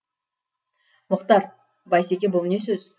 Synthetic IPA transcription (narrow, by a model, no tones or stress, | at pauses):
mʊqt̪ɑɾ | bɑjsekʲebolˠnesɵz̥